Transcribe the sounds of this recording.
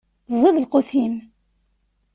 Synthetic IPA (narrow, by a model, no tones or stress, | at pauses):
θzˤːeðəlqoθim